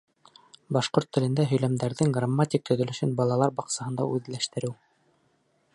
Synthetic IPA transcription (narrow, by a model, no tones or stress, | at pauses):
bɑʃqoɾt̪ːɘ̆lɘ̆nd̪æɦɵ̆jlæmd̪æɾðɘŋɡramːat̪ʲik̚t̪ɵ̆ðɵ̆lɘ̆ʃɘnbɑlˠɑlˠɑɾbɑqsɑhɤ̆nd̪ɑ̰ʔʉðlæʃt̪ɘ̆ɾɘw